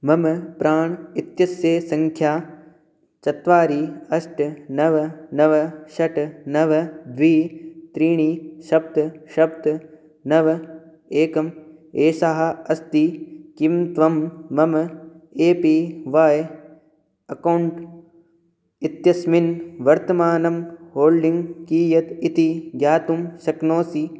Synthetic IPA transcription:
mɐmpɾaːɳ̃it̪jɐsjeːsɐ̃ŋkʰjaː | t͡ʃɐt̪ʋaːɾiːɐsʈnɐʋɐnɐʋɐʃɐʈnɐʋɐd̪ʋiːt̪ɾiːɳ̃iːʃɐb̚t̪ʃɐbt̪ | nɐʋɐ | eːkɐmeːsaɦɐɐst̪ikimt̪ʋɐmːɐmɐ | eːpiʋaːj | ɐkɐwɳʈ | it̪jɐsminʋɐɾt̪ɐmaːnɐmɦoːlɖiŋɡkiːjɐt̪it̪iɡjaːt̪umʃɐknoːsi

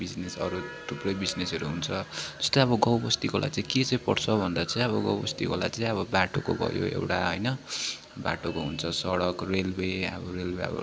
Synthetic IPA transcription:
bid͡znesʌ̰ɾut̪ʰuprʌjbid͡znesʌɾuɦunt͡sʰʌd͡zʌ̥st̪oʌβʌɡʌwbʌst̪ikolʔa̰jt͡sãĩket͡saĩpʌɽt͡sʰʌbʱʌnd̪at͡sʌĩʌβʌɡʌwbʌ̰st̪ikola̰t͡sãĩʌβʌbaʈokobʱʌ̰jo̰ḛwʈa̰ɦojnʌ | ba̰ʈokoɦunt͡sʰʌsʌɽʌkrelweʌ̰bʌrelbeʌ̰bʌ̰

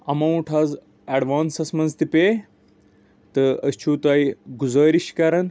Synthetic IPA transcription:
ɐmɐwɳʈʰaːz | ɐɖʋaːnsɐsmɐnzt̪ipe | t̪ɨɐst͡ʃʰuːt̪aːjɡuzɐːɾiʃkɐɾɐn

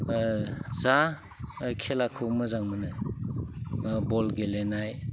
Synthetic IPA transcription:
za | kʰelakʰɯwmɯzaŋmɯnɯ | bɔlɡelenaj

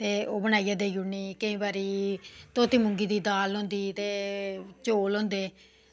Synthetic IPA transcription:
t̪eːoːbəñaːijaːd̪eːjʊniːkəĩːbaːɾiːt̪oːt̪ʰiːmʊŋɡiːd̪iːd̪aːlõːnd̪iːt̪eːt͡ʃoːlõːnd̪eː

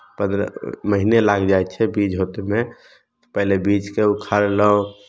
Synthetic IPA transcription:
pə̃nd̪ɾ̰məɦinelaɡd͡ʒaɛt̪t͡ʃʰɛbid͡ʒɦot̪emẽ | pɛɦlebid͡ʒkeukʰaɾeləõ

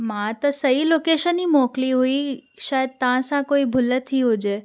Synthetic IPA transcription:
mãt̪əsəilokeʃənimɔkliɦoiʃaəd̪̚t̪ãsãkoibʱʊlət̪ʰiɦod͡ʒe

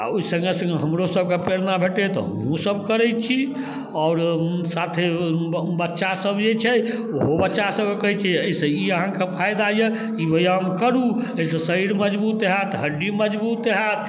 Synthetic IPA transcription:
a̰oisə̃ŋɡesə̃ŋɡeɦəmɾosəb̚kepeɾnabʱeʈet̪ɔ̰ | ũsəb̚kəɾɛt͡ʃʰi | ɔʊɾsat̪ʰebətːʃasəbjet͡ʃʰɛ | oɦobətːʃasəbekəɦɛt͡ʃʰɛəisə̃iəɦãkepʰajd̪ajə | iʋojamkəɾuəisə̃səiɾməd͡ʒbut̪eɦɛt̪ɦəɖiməd͡ʒbut̪eɦat̪̚ʰ

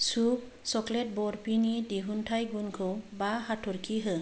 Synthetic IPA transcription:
sup̚ | sɔklɛt̚bɔɾpinidiɦuntʰajɡunkʰɯwbaɦatʰɔɾkiɦɯ

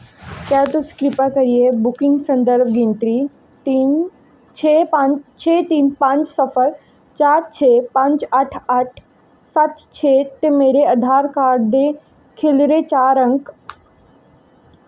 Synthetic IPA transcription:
kjaːt̪oskɾɪpakɐɾijebʊkɪŋɡsɐ̃nd̪əɾbɡint̪ɾi | t̪iːn | t͡ʃʰepãt͡ʃt͡ʃʰeːt̪iːnpãːɲt͡ʃsɐfəɾ | t͡ʃaːɾt͡ʃʰeːpãːɲt͡ʃaʈʰaʈʰ | sat̪ʰt͡ʃʰet̪emeːɾeɐd̪ʱaːɾkaːɖd̪e | kʰelɾet͡ʃaːɾə̃ŋk

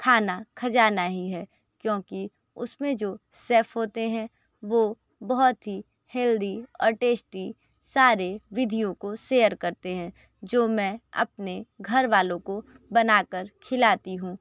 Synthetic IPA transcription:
kʰaːnakʰɐd͡ʒaːnaɦiɦɛː | kjõːki | ʊsmẽd͡ʒoːseːpʰɦoːt̪eɦɛ̃ | ʋoː | bɔɦɔt̪ɦi | hɛːld̪iɔ̰ːɾʈeːsʈi | saːɾeʋɪd̪ʱijõkoseːjəɾkɐɾt̪eɦɛ̃ː | d͡ʒoːmɛ̃ːɐ̰p̚neɡʱɐɾʋaːlõko | bɐnaːkəɾkʰɪlaːt̪iɦũː

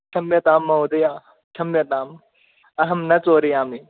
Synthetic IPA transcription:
ʈʰɐmjɐt̪aːmːɐɦod̪ɐjaː | t͡ʃʰɐmjɐt̪aːm | ɐɦɐmnɐt͡soːɾiaːmi

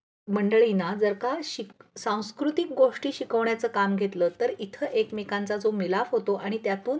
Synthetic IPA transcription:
məɳɖəɭinad͡zəɾkaɕisãw̃skɾut̪ik̚ɡoʂʈiːɕikəʋɳjat͡səːkamɡʱet̪ləːt̪əɾit̪ʰəʔekmekant͡sad͡zomilafɦot̪oʔaɽ̃it̪jat̪uːn

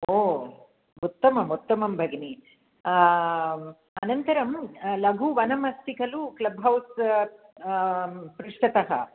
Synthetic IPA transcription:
oː | ut̪ːɐmɐmut̪ːɐmɐmbʱɐɡni | ɐnɐnt̪ɐɾɐmlɐɡʱuʋɐnɐmɐst̪ikʰɐluklɐbɦɐws | pɾuʂʈɐt̪ɐɦɐ̰

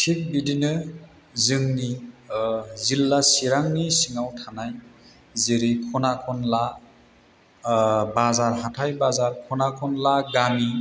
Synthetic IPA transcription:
tʰik̚bidinɯ | zɯŋni | zilːasiɾaŋnisiŋawtʰanaj | ziɾikʰɔnakʰɔnla | bazaɾɦatʰajbazaɾkʰɔnakʰɔnlaɡami

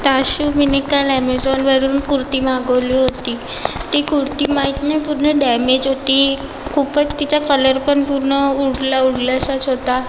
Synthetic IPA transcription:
t̪aɕuminikalɛmed͡zɔnʋəɾuːnkuɾt̪iːmaɡəʋliːɦot̪iː | t̪ikuɾt̪iːmait̪napuɾɳəɖɛmed͡ʑɦot̪iː | kʰupət͡st̪it͡ɕakələɾpəɳpuɾɳəuɽlauɽlasat͡sɦot̪a

